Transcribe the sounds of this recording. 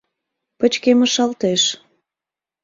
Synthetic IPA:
pə̆t͡ɕkemə̆ʃɑlt̪eʃ

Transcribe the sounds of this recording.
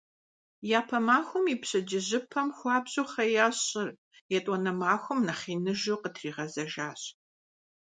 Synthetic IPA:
jaːpʰɐmaːxʷʊmiːpɕʼɐd͡ʒɪʑɪpʰɐmxʷɑːbʑʼuːχɐjaːɕʼɪr | jɛtʼwɔnɐmaːxʷʊmnɐχiːnɨʒuqətʰriːʁɐzɐʒaːɕ

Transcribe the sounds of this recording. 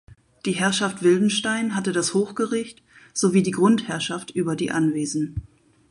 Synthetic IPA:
d̥iːɦɛɐʃaftv̥ɪldn̩ʃtaɪnɦatədashoːxɡ̥əʁɪçt | z̥oviːdiːɡʁʊnthɛɐʃaftʔyːbɐdḭːʔanveːzn̩

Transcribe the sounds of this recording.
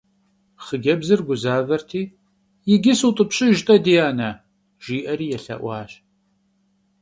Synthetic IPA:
χəɡʲɐbzɨrɡʷʊzaːvɐrtʰiː | jɪɡʲɪsutʼɨpɕʼɪʒtʼɐdijaːnɐ | ʒ̥iːʔɐɾiːjɛɬɐ̰ʔʷɑːɕ

